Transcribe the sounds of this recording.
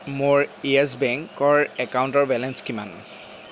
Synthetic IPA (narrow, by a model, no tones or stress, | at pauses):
moɹiɛs̬bɛŋkɔɹɛkawntɔɹbɛlɛnskima̰n